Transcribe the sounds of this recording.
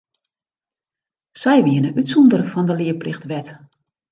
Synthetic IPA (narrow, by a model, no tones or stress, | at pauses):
sɛjʋiənəʔytsundərəfɔndəlɪəplɪxtʋɛt